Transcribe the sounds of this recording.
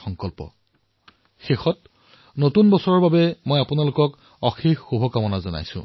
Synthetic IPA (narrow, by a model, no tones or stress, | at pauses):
xɔŋkɔlpɔ̰ | xexɔt | notunbɔsɔɹɔɹbabɛmojapunalʊkɔk | ɔxixxubʱɔkamɔnazɔna̰jsʊ̰̃